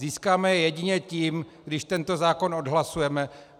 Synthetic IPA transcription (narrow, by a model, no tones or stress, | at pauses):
iːskaːmɛjɛjɛɟɪɲɛciːmɡdɪʃt̪ɛnt̪o̞zaːko̞nodɦlasujɛmɛ